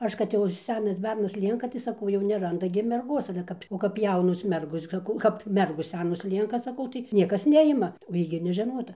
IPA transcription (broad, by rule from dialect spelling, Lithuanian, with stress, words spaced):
ˈɐʃ kɐt ˈjɛʊ ɪr ˈsʲæːnɐs ˈbʲɛrnɐs ˈlʲiɛŋkɐ tɐɪ sɐˈkɐʊ jɛʊ nʲɛrˈɐndɐ ɡʲɪ mʲɛrˈɡoːs ɐlʲɛ ˈkɐp oː kɐp ˈjɛʊnoːs ˈmʲɛrɡoːs sɐˈkɐʊ kɐp ˈmʲɛrɡoːs ˈsʲæːnoːs ˈlʲiɛŋkɐ sɐˈkɐʊ tɐɪ ˈnʲiɛkɐs ˈnʲæːjɪmɐ oː ˈjiː ɡʲɪ nʲɛʒʲɛˈnoːtɐ